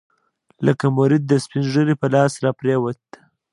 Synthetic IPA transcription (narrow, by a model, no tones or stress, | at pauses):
ləkamʊɾɪd̪̚ːəspɪnʒəɾipəlɑsɾɑpɾewat̪